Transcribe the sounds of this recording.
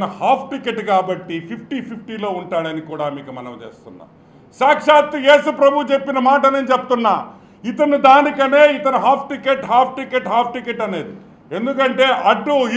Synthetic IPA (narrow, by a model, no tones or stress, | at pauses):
ɐnɐhaːpʰʈikeʈkaːbɐʈːipʰipʰʈipʰipʰʈiːlo̞ːuɳʈaːɽɐnikuːɽaːmiːkumɐnɐmt͡ʃe̞̰ːst̪unːa̰ː | ʃaːkʂaːt̪jeːsupɾɐbʱut͡ʃe̞pːinɐmaːʈɐneːnt͡ʃeput̪unːaː | it̪ɐnud̪aːnikɐne̞ːit̪ɐnuɦaːp̚ʰʈikeʈɦaːp̚ʰʈikeʈɦaːp̚ʰʈikeʈːɐne̞ːd̪i | e̞nd̪ukɐɳʈe̞ːʔɐɖui